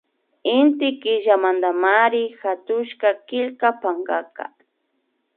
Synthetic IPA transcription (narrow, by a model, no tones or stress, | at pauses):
ɪnt̪ɪkɪʒamand̪amaɾɪxat̪ʊʃkakɪʎkapaŋɡaka̰